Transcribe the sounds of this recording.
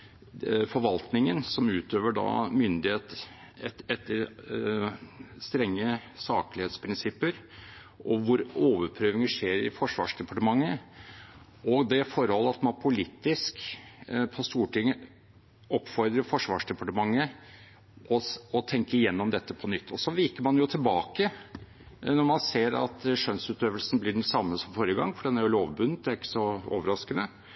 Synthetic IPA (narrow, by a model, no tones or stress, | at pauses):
fɔɾʋɑlt̪nɪŋənsɔmʉːt̪øːʋəɖɑ̰ːmʏnd̪ɪheːt̪ | ɛɛt̪ːəɾ | st̪ɾɛŋːəsɑːklɪheːt̪spʰɾɪnsɪpːəɾ | ʔɔʋʊɾoːʋəɾpʰɾøːʋɪŋəʂeːɾɪfɔʂʋɑ̰ːʂd̪ɛpɑʈəmɑŋːə | ɔɡd̪ɛfɔɾhɔlːəɑt̪mɑnpʰʊlit̪ːɪsk | pʰɔst̪uːʈɪŋːə | ɔpːfɔɾd̪ɾəfɔʂʋɑ̰ːʂd̪ɛpɑʈəmɑŋːə | ʔɔɔt̪ʰɛŋkəɪjɛnːɔmd̪ɛt̪ːəpʰɔnʏt̪ːɔsɔʋɪkəɾmɑnjʊt̪ʰɪlbɑːkə | nɔɾmɑnseːɾɑ̰t̪ʂœnsʉːt̪øːʋəlsnblɪɖɛnsɑmːəsɔmfɔɾjəɡɑŋːfɔɖɛnːæɾjʊloːʋbʉnːət̪̚d̪ɛæɾɪkːə̥sɔo̰ːʋəɾɑskənə